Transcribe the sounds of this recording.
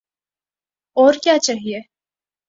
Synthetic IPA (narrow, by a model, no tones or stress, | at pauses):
ɔːɾkjaːt͡ʃaːɦie